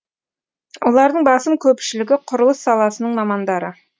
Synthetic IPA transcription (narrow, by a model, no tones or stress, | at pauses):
wo̞lˠɑɾd̪əɴbɑsəmkʲʰɵpʃɪlɪɡʲɪqʰʊɾəlˠəsːɑlˠɑsənəɴmɑmɑnd̪ɑɾə